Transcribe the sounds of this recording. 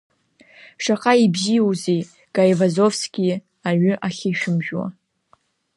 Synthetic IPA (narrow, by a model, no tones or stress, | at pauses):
ʂaqʼaibzijozej | ɡ̥ajvazofskʲi | aɥʏʔaχʲiʃᶣɪmʒᶣwa̰